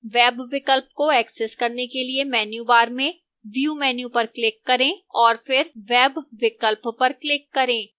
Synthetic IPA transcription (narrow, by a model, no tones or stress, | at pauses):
ʋɛːbʋɪkəlp̚koɛːksɛskɐɾnekeliemɛːnjubaːɾmẽ | ʋijumɛːnjupɐɾklɪkːɐɾẽɔːɾfɪɾʋɛːbʋɪkəlppɐɾklɪkːɐɾẽː